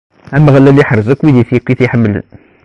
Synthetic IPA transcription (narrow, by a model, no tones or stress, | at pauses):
æməʁlːæliħəɾˤzækːwid̪iθjækːiθiħəmːlə̰n